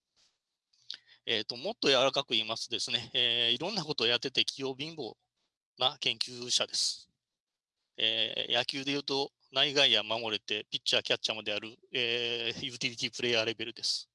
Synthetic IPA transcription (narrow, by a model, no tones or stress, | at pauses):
e̞ːt̪ːo̞mo̞t̪ːo̞jaβaɾakakɯ̟iːmasɨd̪e̞sɨne̞eːiɾõ̞nːako̞t̪o̞ːjat̪ːe̞t̪e̞kʲʰijo̞ːbʲĩmbo̞ | nakẽ̞ŋkʲɨːɕad̪e̞sɨ̥ | eːjakʲɨːd̪e̞jɯ̟ːt̪o̞ | naiɡaijamamo̞ɾe̞t̪e̞pʲitt͡ɕːiakʲat͡ɕːamɯd̪e̞aɾɯ̟ejɯ̟ːt̪ʲiɾʲit̪ʲiːpɯ̟ɾe̞jaːɾe̞be̞ɾɯ̟d̪e̞sɨ̥